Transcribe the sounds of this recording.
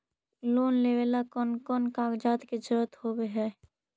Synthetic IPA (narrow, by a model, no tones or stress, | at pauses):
loːnleːʋelakɔːnkɔːnkaːɡd͡ʒaːt̪ked͡ʒəɾət̪ɦhoːbeɦɛː